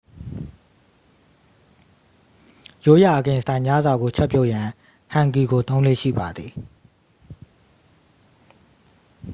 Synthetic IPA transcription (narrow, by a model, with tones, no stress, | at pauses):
jo˦ja˨ʔə˨ɡɪ̃˨sə̥˨tã˨ɪ̃mja˦zwa˨ɡo˨t͡ɕʰɛ˦ʔpːjo˦˨ʔjã˨ | hã˨ŋki˨ɡo˨t̪õ˦ʊ̃lḛ˦˨ʃḭ˦˨ba˨d̪ði˨